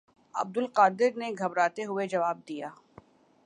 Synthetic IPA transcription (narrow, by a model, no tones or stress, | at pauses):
ɐ̰b̚d̪ʊlqaːd̪ɪɾneɡʱɐbɾaːt̪eɦʊed͡ʒɐʋaːb̚d̪ijaː